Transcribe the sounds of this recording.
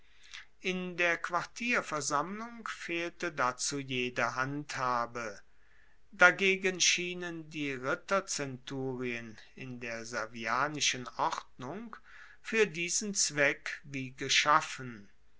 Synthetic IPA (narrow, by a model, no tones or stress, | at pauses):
ʔɪndeːɐkv̥aʁtʰiːɐfɛɐzamlʊŋkfeːltədat͡suːjeːdɐɦanthaːbə | daɡeːɡənʃiːnəndiːʁɪtɐt͡sɛntuːʁiənɪ̰ndeːɐzaviaːnɪʃənʔɔʁtnʊŋk | fyːɐdiːzn̩t͡sv̥ɛkviːɡəʃafən